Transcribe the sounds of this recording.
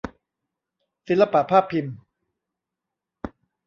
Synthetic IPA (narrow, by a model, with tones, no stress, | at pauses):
si˨˦la˧pa˨t̪̚pʰaː˥˩pʰːi˧m